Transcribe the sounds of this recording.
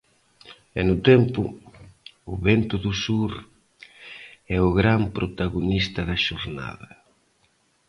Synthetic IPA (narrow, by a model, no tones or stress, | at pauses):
ɛnʊt̪ɛmpʊ | ʊβɛnt̪ʊðʊsuɾ | ɛʊɣɾampɾʔot̪aɣonist̪ɐðɐʃoɾna̰ðɐ